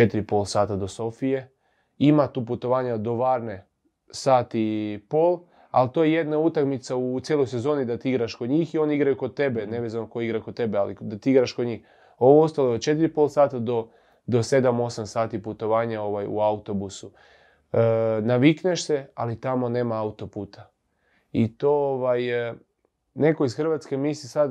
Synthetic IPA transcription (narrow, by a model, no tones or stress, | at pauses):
t͡ʃe̞t̪iɾipo̞lˠsaːt̪ad̪o̞so̞fije̞ | imat̪uːput̪o̞ʋaːɲad̪o̞ʋaːɾne̞ | saːt̪ipoːlˠ | a̰lt̪o̞jeje̞d̪naut̪akmit̪saut̪jeːlojse̞zo̞ːnid̪at̪iiɡɾaʃkod̪ɲiːxio̞niiɡɾajukod̪̚t̪e̞be̞neʋeːzanokojiɡɾakod̪̚t̪e̞bealid̪at̪iiɡɾaʃkod̪ɲiːx | o̞ʋoost̪aloeod̪̚t͡ʃe̞t̪iɾipo̞lsaːt̪ad̪o̞ | d̪o̞se̞d̪amo̞samsaːt̪iput̪o̞ʋaːɲao̞ʋajṵaut̪o̞busu | naʋikneʃsea̰lit̪amo̞ne̞ːmaaut̪o̞puːt̪ʰa | it̪ooʋaj | ne̞ko̞izxr̩ʋat̪ske̞mislisad̪